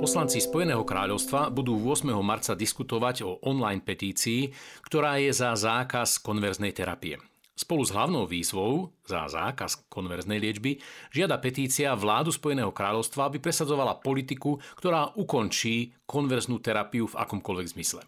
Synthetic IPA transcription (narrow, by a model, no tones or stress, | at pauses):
pɔslant͡sispɔjɛnɛːɦɔkɾa̰ːʎɔʊst̪ʋabud̪uːʋʊɔsmɛɦɔmaɾt͡sad̪iskut̪ɔʋaɟɔʔɔnlajnpɛt̪iːt͡siːkt̪ɔɾaːjɛzazaːkaskɔnʋɛɾznɛjt̪ɛɾa̰piɛ̰ | spɔluzɦlaʊnɔʊʋiːzʋɔʊza̰za̰ːkaskɔnʋɛɾznɛjlɪɛd͡ʒbiʒɪad̪apɛt̪iːt͡siaʋlaːd̪uspɔjɛnɛːɦɔkɾaːʎɔʊst̪ʋaabipɾɛsad͡zɔʋalapɔlit̪ikukt̪ɔɾaːʔukɔnt͡ʃiːkɔnʋɛɾznuːt̪ɛɾapiuva̰kɔmkɔlʋɛɡzmislɛ